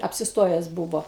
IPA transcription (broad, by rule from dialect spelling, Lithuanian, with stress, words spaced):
ɐpʲsʲɪsˈtoːjɛs ˈbuːʋoː